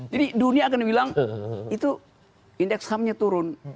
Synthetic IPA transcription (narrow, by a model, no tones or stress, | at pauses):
d͡ʒadiduniaːkanbilaŋit̪u | indɛkshamɲat̪uɾʊn